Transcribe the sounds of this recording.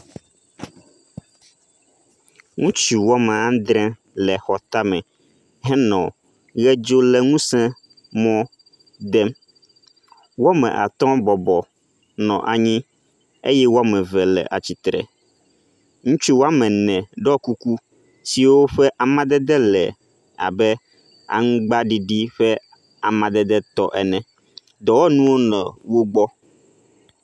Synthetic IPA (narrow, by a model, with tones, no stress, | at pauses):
ŋũ˦t͡ʃu˨wɔ˦mɛ̃˨ã˦d̪ɾɛ̃˦ | lɛ˨xɔ˨t̪a˦mɛ̃˨ | ɦɛ˦nɔ̃˨ | ɣɛ˦d͡ʒo˦lɛ˨ŋũ˦sɛ̃˦ | mɔ̃˦ | d̪ɛ˦m | wo˦mɛ̰̃˨ʔa̰˨t̪ɔ̃˦bɔ˨bɔ˨ | nɔ̰̃˨ʔa˨ɲĩ˦ | ḛ˦jɛ˦wo˦a˦mɛ̃˨vɛ˨lɛ̰˨ʔa̰˨t͡ɕi˨t̪ɾɛ̰˨ | ŋũ˦t͡ʃu˦wo˦a˦mɛ̃˨nɛ̃˨ɖɔ˦ku˦ku˦ | si˨wo˦ɸɛ˦ʔa˨mã˦d̪ɛ˦d̪ɛ˦lɛ̰˨ | a̰˨bɛ˦ | a̰˨ŋ̩̃˦ɡ͡ba˦ɖi˦ɖi˦ɸɛ˦ | a˨mã˨d̪ɛ˦d̪ɛ˦t̪ɔ˦ʔɛ˨nɛ̃˨ | d̪ɔ˨wɔ˦nũ˦wo˦nɛ̃˨wo˦ɡ͡bɔ˦